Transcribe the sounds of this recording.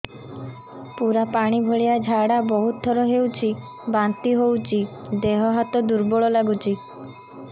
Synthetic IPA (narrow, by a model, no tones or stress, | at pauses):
puɾapaɽ̃ibʱoɭiad͡ʒʱaɽabɔɦut̪̚ːɔɾɔɦewt͡ʃʰi | bant̪iɦowt͡ʃʰid̪eɦɔɦat̪ɔd̪uɾbɔɭɔlaɡut͡ʃʰi